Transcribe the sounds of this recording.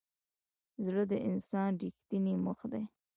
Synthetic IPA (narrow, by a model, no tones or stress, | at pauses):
zləd̪əʔɪnsɑnɖixt̪iniməxd̪ej